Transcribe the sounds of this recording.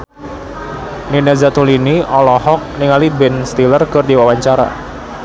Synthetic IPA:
ninazat̪uliniɔlɔhɔk̚niŋalibɛnst̪ilərkɨrdiwawaɲt͡ʃaɾa̰

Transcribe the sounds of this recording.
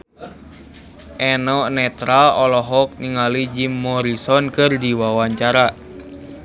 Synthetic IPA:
ʔɛnɔnɛt̪ɾalɔlɔɦɔk̚niŋalid͡ʒimːɔɾisɔnkɨrdiwawaɲt͡ʃaɾa

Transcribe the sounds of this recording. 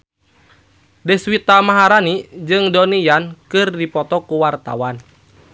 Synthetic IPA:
dɛswit̪amaɦaɾanid͡ʒɨŋdɔnijankɨrdipɔt̪ɔkuwart̪a̰wan

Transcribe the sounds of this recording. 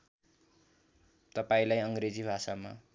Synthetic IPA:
t̪ʌpaĩlajʌŋɡred͡zibʱasama̰

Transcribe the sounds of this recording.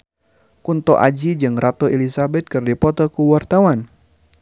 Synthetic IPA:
kunt̪ɔʔad͡ʒid͡ʒɨŋrʔat̪oelisabɛt̪̚kɨrdipɔt̪ɔkuwart̪awan

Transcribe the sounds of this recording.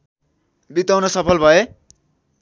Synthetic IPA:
bit̪ʌwnosʌpʰʌlbʱʌe

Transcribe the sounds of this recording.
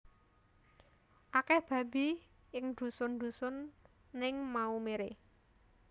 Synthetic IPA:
ʔakɛhb̥a̤b̥i | ɪŋd̪̥ṳsʊnd̪̥ṳsʊnː | ɪŋmaumeɾe

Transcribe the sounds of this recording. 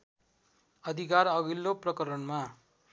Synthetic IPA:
ʌd̪ʱikarʌɡilːoprʌkʌɾʌnma

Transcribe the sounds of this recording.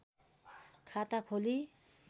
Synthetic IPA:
kʰat̪akʰoli

